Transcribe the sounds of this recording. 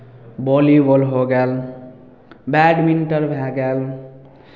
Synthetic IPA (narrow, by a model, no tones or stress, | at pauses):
bɔlibɔlɦoɡal | baɖminʈʌɾbʱaɡal